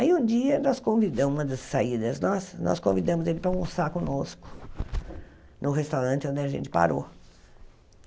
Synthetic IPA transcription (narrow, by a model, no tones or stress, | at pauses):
aiũd͡ʒiɐnɔskõvid̪ɐ̃ũmɐd̪ɐsːaid̪ɐsnɔsnɔ̰skõvid̪ɐ̃mʊzelɪpɾɐũsakõnoskʊ̥ | nʊɦest̪awɾɐ̃nt͡ʃɪõnd̪ɪɐʒḛ̃nt͡ʃɪ̥pa̰ɾo̰